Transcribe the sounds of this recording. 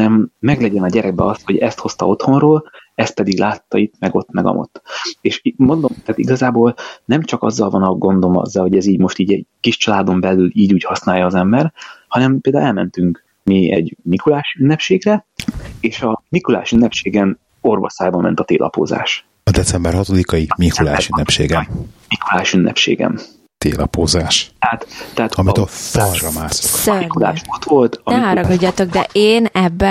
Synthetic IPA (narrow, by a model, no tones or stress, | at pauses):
ɛmːɛɡlɛɟɛnɒɟɛɾɛɡ̚bɛ̰ɒst̪ho̞ɟɛst̪ho̞st̪ɒ̰o̞t̪ho̞nroːlɛst̪̚pɛd̪iɡlaːt̪ːɒit̪mɛɡo̞t̪ːmɛɡɒ̰mʔo̰t̪ːeːʃmo̞nd̪o̞mt̪aːt̪iɡɒzaːboːlnɛmt͡ʃɒkɒ̰zːɒlvɒnɒɡo̞nd̪o̞mɒ̰zːɒlho̞ɟɛziːɟmo̞ʃt̪iːɟɛɟkiʃt͡ʃɒlaːd̪o̞mbɛlyliːɟuːchɒsnaːjɒːzɛmbɛrhɒnɛmpeːld̪aːwɛlmɛnt̪yŋk | miɛ̰ɟmikulaːʃynːɛpʃeːɡrɛeːʃɒmikula̰ːʃynːɛpʃeːɡɛn | o̞rvɒ̰saːjbɒmmɛ̰nt̪ɒt̪ḛːlʔɒ̰po̰ːza̰ːʃ | ɒd̪ɛt̪sɛmbɛrɦɒt̪od̪ikɒjimikulaːʃynːɛpʃḛːɡɛnmikulaːʃynːʔɛ̰pʃḛːɡɛ̰m | t̪ḛːlɒ̰poːzaːʃt̪ɛat̪ːɛaːt̪ɒmioporrɒmaːsommikula̰ːʃot̪ʋo̞lt̪ɒnɛɒɾɒɡɒɟːat̪oɡd̪ɛ̰ʔeːnɛbːɛ